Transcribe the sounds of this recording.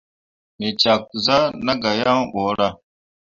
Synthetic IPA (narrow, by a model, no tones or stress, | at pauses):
met͡ɕaːk̚uzanɐɡɐjãːʔoːɽa